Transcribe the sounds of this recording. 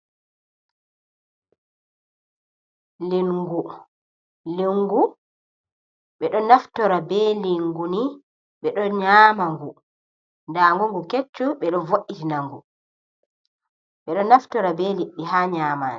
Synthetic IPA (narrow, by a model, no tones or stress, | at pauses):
linɡu | liŋɡu | ɓɛɗɔnaftɔɾabɛːliŋɡuni | ɓɛɗɔɲaːmaŋɡu | ndaːŋɡuŋɡuket͡ʃːuɓɛɗɔvoʔːitinaŋɡu | ɓɛɗɔnaftɔɾabɛːliɓːiɦaːɲaːma̰ːni